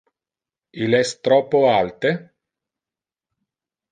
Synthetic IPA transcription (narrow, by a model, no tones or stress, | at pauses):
ilɛst̪ɾɔpːoalt̪e